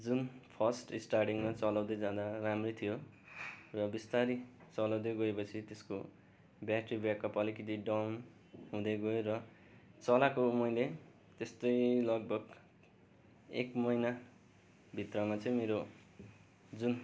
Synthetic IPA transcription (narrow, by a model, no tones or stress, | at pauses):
d͡zunpʰʌsʈisʈarʈiŋmat͡sʌlawd̪ʌd͡zãd̪aramrit̪ʰijo | rʌbist̪aɾit͡sʌlawd̪eɡʌepʌt͡sʰit̪esko | bjaʈribjakʌpʌlikit̪iɖʌwn | ɦũd̪eɡʌerʌ | t͡sʌlakomʌjle | t̪est̪ojlʌɡ̚bʱʌɡ | ḛkmʌjna | bʱit̪rʌmat͡sʌ̃ĩmeɾo | d͡zun